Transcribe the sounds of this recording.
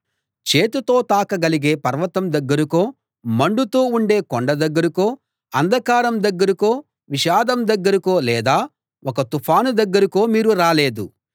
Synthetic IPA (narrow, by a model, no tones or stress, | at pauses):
t͡ʃeːt̪ut̪o̞ːt̪aːkɐɡɐliɡe̞ːpɐɾʋɐt̪ɐmd̪ɐɡːɐɾukoː | mɐɳɖut̪oːuɳɖe̞ːkoɳɖɐd̪ɐɡːɐɾukoː | ɐnd̪ʱɐkaːɾɐmd̪ɐɡːɐɾikoː | ʋiʃaːd̪ɐmd̪ɐɡːɐɾikoːlɛːd̪aː | ɔkɐt̪upʰaːnud̪ɐɡːɐɾiko̞ːmiːɾuɾaːle̞ːd̪u